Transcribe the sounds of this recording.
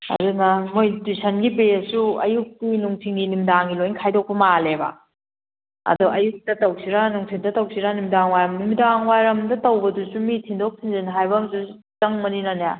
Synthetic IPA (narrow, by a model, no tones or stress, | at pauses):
ɐ̰dunɐmojtisʰɐnɡibeɐsuɐ̰juk̚tinuŋtʰiŋɡinimdaŋɡilojnkʰajdok̚pɐmalebɐ̰ | ɐ̰duɐjuk̚tɐtɐwsʰiɾanuŋtʰiŋdɐtɐwsʰiɾanimdaŋwajɾɐmnimdaŋwajɾɐmdɐtɐwbɐdusumitʰiŋdok̚sʰiŋziniɦajbɐmzu | t͡ʃɐŋmɐninanja